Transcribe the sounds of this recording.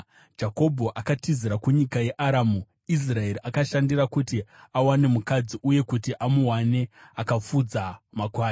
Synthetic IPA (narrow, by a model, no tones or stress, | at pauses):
d͡ʒako̞bʱo̞ʔakatiziɾakuɲikaje̞ʔaɾaːmu | is̬rae̞ɾiʔakaʃandirakutiawane̞mukad͡ziʔuje̞kutiʔamuɦwane̞akap͡fud͡zamakwaːj